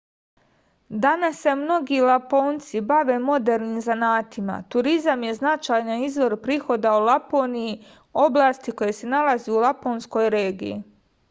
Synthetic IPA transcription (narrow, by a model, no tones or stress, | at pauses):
d̪anasːe̞mno̞ɡilapo̞ːnt̪sibaʋe̞mo̞d̪e̞ɾniːmzanaːt̪ima̰t̪uɾizamje̞znat͡ʃaːjnaizʋo̞ɾpɾiːxo̞d̪aulˠapoːniji | o̞blˠaːst̪iko̞je̞se̞nalazeulˠaponsko̞jɾe̞ːɡḭjḭ